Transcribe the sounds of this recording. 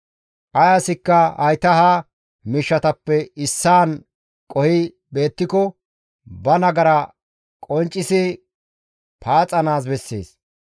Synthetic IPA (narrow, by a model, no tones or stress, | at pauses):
ʔɐjasɪkːɐɐjt̪ɐha | mɪʃːɐt̪ɐpːɛɪsːaːn | kʼɔhɪ | be̞ːt̪ːɪkɔ | bɐnɐɡɐɾɐ | kʼɔnt͡ʃʼːɪsɪ | pʰaːt͡sʼɐnaːs̬bɛsːḛːs